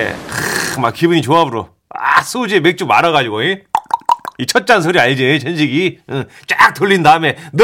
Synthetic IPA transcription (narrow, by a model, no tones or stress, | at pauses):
mak̚k͈ibuɲit͡ɕoabɯɾo | a̰sʰud͡ʑemek̚t͡ɕ͈umaɾaɣad͡ʑiɡoe | it͡ɕʰʌt̚t͡ɕ͈ans̬ʰɯɾiaɭd͡ʑiet͡ɕʰenɕʰiɡiɯ | t͡ɕ͈ak̚t͈ʰoɭːindaɯme̞nɯ